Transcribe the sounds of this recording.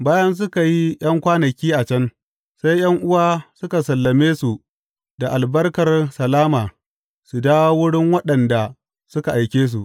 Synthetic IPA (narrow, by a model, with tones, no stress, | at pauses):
baː˦jɐ˦ns̬ʊ˦ka˨ji˦j̰ɐ˦ŋkʷaː˦nɐ˨kʲiː˦ʔa˨t͡ʃɐ˦n | sa˦jj̰ɐ˦ŋʔʊ˦waː˦sʊ˦ka˨sɐ˨lːɐ˨meː˦su˨ | da˨ʔa˨lbɐ˦rkɐ˨rsɐ˨laː˦maː˨ | su˨daː˦wa˦wʊ˦ɽɪ˦ŋwɐ˦ɗɐ˨nda˨ | sʊ˦ka˨ʔa˨jkʲeː˦s̬u˨ʔ